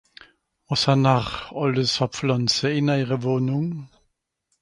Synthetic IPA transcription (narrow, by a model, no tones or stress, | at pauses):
ɔsanaχɔləsɑpflɔnsəɪnɛɪʁəvoːnʊŋ